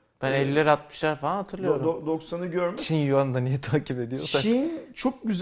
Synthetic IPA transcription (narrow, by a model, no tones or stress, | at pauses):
b̥ænɛlʲiːeɾat̪̚mɯʃlˠaɾfaanɦat̪ʰɯɾlˠɯo̞ɾd̪oksanɯɟøɾmt͡ʃʰinjuand̪anijɛt̪ʰaːcʰipe̞d̪ijot͡ʃsaint͡ʃʰok̚ɟyz